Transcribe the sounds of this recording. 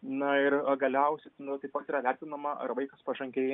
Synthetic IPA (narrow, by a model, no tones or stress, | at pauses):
nɐɪrɐɡɐlʲɛʊsʲɛt̪nt̪ɐɪpɐt̪iːɾɐʋʲæˑɾʲt̪ʲɪnɐmɐʔɐ̰ɾʋɐɪkɐspɐʒɐŋʲkʲeːj